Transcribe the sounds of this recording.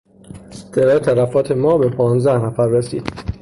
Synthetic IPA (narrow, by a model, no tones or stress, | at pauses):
seɾɒːet̪ʰælæfɒːt̪ʰe̞mɒːbe̞pʰɒːnzd̪æhnæfæɾːesḭːd̪̥